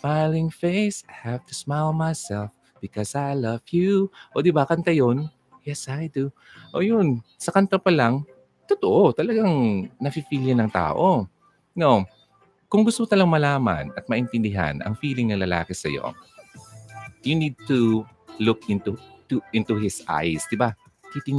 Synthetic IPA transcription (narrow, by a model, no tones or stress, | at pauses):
falɪ̃ŋfeɪsajhavt̪usmalˠmajsɛlˠf | b̥ɪkɔsajlɐvjuʔod̪ɪbakɐnt̪ɐjon | jɛsajd̪u | ʔojʊn | sɐkɐnt̪ɐpɐlɐŋ | t̪ot̪oʔot̪ɐlɐɡaŋnɐfifiljɐnɐŋt̪a̰ːʔo | no | kʊŋɡʊst̪omot̪ɐlɐmɐlaːma̰nɐt̪̚mɐʔɪnt̪ɪnd̪ɪɦa̰nʔɐ̰ŋfiːlɪŋnɐŋlɐla̰ːkɪsɐ̰jo̰ | junid̪̚t̪u | lʊkɪ̃nt̪uuʔɪnt̪uhɪsʔa̰jsd̪ɪba | t̪it̪ɪŋ